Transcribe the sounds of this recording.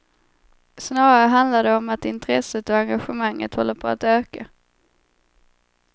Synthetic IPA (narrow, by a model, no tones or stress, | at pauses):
snɑːɾaɾəɦand̪laɖ̪ɛɔmat̪ɪnt̪ɾɛsət̪ɔaŋɡaɧəmaŋːə̰t̪hɔlːəɾpʰɔa̰t̪øːka